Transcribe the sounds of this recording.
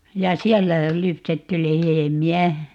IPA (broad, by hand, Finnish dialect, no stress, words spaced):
jɑ siɛlːæ lypsetːy lehemiæ